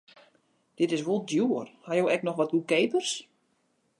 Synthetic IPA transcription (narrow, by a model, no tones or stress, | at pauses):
d̥ɪtɪs̬ʋolˠdjuərhajowʔɛknɔxʋɔt̚ɡukeːpərs